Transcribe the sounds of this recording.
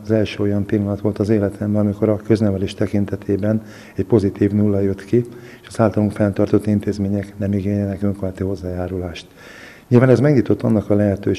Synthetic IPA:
zɛlʃøːo̞jɒnpilːɒnɒt̪ʋo̞lt̪ɒzeːlɛt̪ʰɛmbɒmiko̞ɾɒkø̞znɛvɛleːʃt̪ɛkint̪ɛt̪ʰeːbɛn | ɛcpo̞zit̪iːvnuːlːɒjø̞t̪ki | eʃɒzaːlt̪ɒluŋkfɛnt̪ɒrt̪o̞t̪ːint̪eːzmeːɲɛknɛmiɡeːɲɛnɛkøŋkoat̪iho̞zːaːjaːɾulaːʃt̪ | ɲilvaːnɛzmɛɡɲiːt̪o̞t̪ːɒ̰nːɒkɒlɛɦɛt̪øː

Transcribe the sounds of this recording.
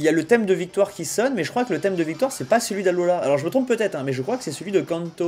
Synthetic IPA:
iljalət̪ɛmd̪əvik̚t̪waʁkʲisɔnmɛʒəkχwakələt̪ɛmd̪əvik̚t̪waʁsɛpasəlɥid̪alolaalɔʁʒəmət̪χɔ̃pːøt̪ɛt̪χɛ̃mɛʒəkχwakə̥sɛsəlɥid̪əkɑ̃nt̪o

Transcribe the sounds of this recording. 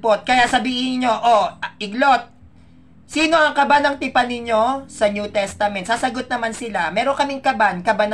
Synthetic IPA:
pot̪̚kɐjaʔsɐbiːhɪnɲo̞ʔoʔɪɡlo̞t̪̚ | siːno̞ʔɐŋkɐbanɐŋt̪ɪpanɪɲo̞sɐnjuːt̪ɛst̪ɐmɛnt̪saːsɐɡo̞t̪̚nɐmansɪlamɛːɾoŋkɐmɪŋkɐbankɐbanɐ

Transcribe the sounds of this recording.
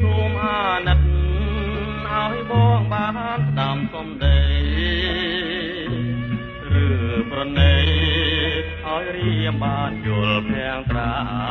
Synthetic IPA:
tuəmʔaːnət̪̚ | ʔaɔɓɔːŋɓaːaɗamsɑmɗəj | rɨːprɔnəj | haɔjriəmɓaːnjuəlpʰɛəŋt̪raː

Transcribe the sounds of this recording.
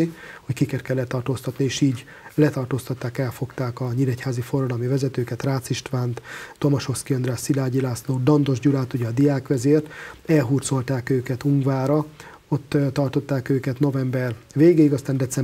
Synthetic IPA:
iho̞ckikert̪̚kɛlːɛt̪ːɒrt̪oːst̪ɒt̪nieːʃiːɟ | lɛt̪ɒrt̪oːst̪ɒt̪ːaːkɛlfo̞kt̪aːkɒɲiɾɛchaːzifo̞rːɒd̪ɒlmivɛzɛt̪øːkɛt̪raːt̪siʃt̪ʋaːnt̪ːo̞mɒʃo̞skiønɾraːsilaːɟilaːsloːd̪ɒnd̪o̞ʒɟulaːt̪uɟɛɒd̪ijaːkʋɛzeːrt̪ɛlɦuːrt̪so̞lt̪aːkøːkɛt̪uŋɡvaːɾɒ | o̞t̪ːt̪ɒrt̪o̞t̪ːaːkøːkɛt̪no̞vɛmbɛrveːɡeːiɡɒst̪aːnd̪ɛt̪sɛm

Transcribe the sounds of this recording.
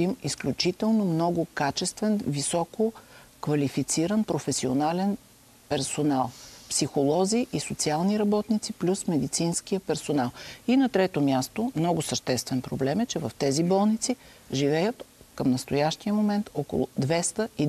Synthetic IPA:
imisklʲut͡ʃit̪ɛlˠnomnɔɡʊkat͡ʃɛst̪vɛnvisɔkokvɐlifit̪siɾənpɾofɛsionalɛn | pɛɾsonalˠpsixolˠɔziʔisot̪sialˠniɾɐbɔt̪nit̪siplʲusmɛd̪it̪sinsk̟ijəpɛɾsonalˠinɐt̪ɾɛt̪omʲjast̪omnɔɡʊsəʃt̪ɛst̪vɛnpɾoblɛmɛt͡ʃɛvɐft̪ɛzibɔlˠnit̪si | ʒivɛjət̪kəmnəst̪ojaʃt̪ijəmomɛnt̪ɔko̰lˠʊ̰d̪vɛst̪əi

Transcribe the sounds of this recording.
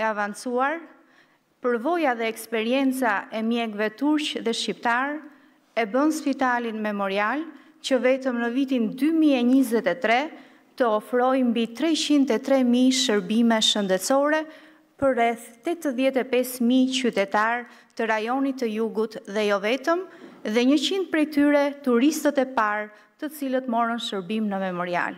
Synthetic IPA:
ɛavansuaɾ | pəɾvɔjaðɛɛkspɛɾiɛnt͡saʔɛmjɛɡvɛt̪uɾt͡ɕðɛʃcipt̪aɾ | ɛbənspit̪alinmɛmɔɾial | t͡ɕəvɛt̪əmnəvit̪ind̪ymiɛɲizɛt̪ɛt̪ɾɛ | t̪əɔfɾɔjmbit̪ɾɛt͡ɕind̪ɛt̪ɾɛmiʃəɾbimɛʃənd̪ɛt͡sɔɾɛ | pəɾrɛθt̪ɛt̪əðjɛt̪ɛpɛsmit͡ɕyt̪ɛt̪aɾ | t̪əɾajɔnit̪ːəjuɡut̪ðɛjɔvɛt̪əmðɛɲət͡ɕind̪̚pɾɛjt̪yɾɛt̪uɾist̪ət̪ɛpaɾ | t̪ət͡silət̪mɔrənʃəɾbimnəmɛmɔɾia̰l

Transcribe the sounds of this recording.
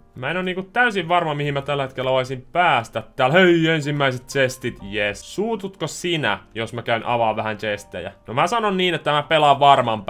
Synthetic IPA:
mæenonniːŋkut̪t̪æysiʋʋɑrmɑmihimmæt̪ælːæhet̪kelːæʋɑisimpæːst̪æt̪tæːlhøiensimːæiset̪̚t͡ʃest̪it̪jessuːt̪ut̪kosinæ̰josmækæynʔɑ̰ʋɑʋʋæhænt͡ʃest̪ḛjæ̰nomæsɑnonniːnet̪ːæmæpelɑʋʋɑrmɑmp

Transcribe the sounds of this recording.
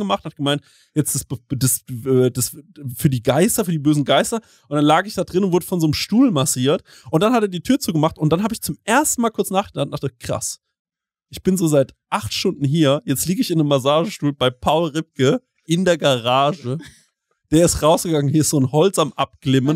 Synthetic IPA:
ɡəmaχthat̚ɡ̥əmaɪnt | jɛt͡sd̥asbdasɛːdasfyːɐdiːɡaɪstɐfyːɐdiːbøːzn̩ɡaɪstɐ | ʔʊnd̥anlaːɡəɪçd̥aːdʁɪnʊntvʊɐdəfɔnzoːnəmʃtuːlmasiːɐt | ʔʊntd̥anhateːɐdiːtʰyːɐt͡suːɡəmaχtʊntd̥anɦaːbəɪçt͡sʊmʔeːɐstn̩maːlkʰʊɐt͡snaːχɡ̥ədan̩daχtəkʁ̥a̰s | ʔɪçb̥ɪnzoːzaɪtʔaχtʃtʊndn̩ɦiːɐjɛt͡stliːɡəɪçɪndəmːasaːʒəʃtuːlbaɪpʰaʊlʁɪp̚kə | ʔɪndeːɐɡaʁaːʒə | d̥eːɐɪstʁaʊsɡ̥əɡaŋənhiːɐɪstz̥oːnhɔlt͡samʔap̚ɡ̥lɪmən

